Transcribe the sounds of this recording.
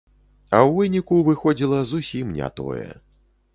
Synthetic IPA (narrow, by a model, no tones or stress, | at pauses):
ɐwvɨnʲikuvɨxɔd͡zʲilˠɐzusʲimnʲa̰t̪ɔ̰jɛ̰